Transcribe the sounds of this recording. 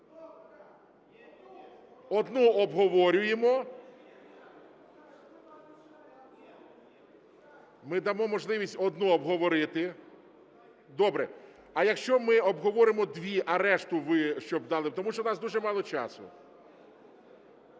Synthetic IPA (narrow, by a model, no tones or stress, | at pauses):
ɔd̪nuɔbɦɔʋɔɾʲʊjemɔ | mɪd̪ɐmɔmɔʒlˠɪʋʲisʲtʲɔd̪nuɔbɦɔʋɔɾɪt̪ɪ | d̪ɔbɾɛ | ɐjɐkʃt͡ʃɔmɪɔbɦɔʋɔɾɪmɔd̪ʲʋʲiʔɐɾɛʃt̪ʊʋɪʃt͡ʃɔbd̪ɑlˠɪt̪ɔmuʃt͡ʃɔnɑsd̪uʒɛmɑlˠɔt͡ʃɑ̰sʊ̰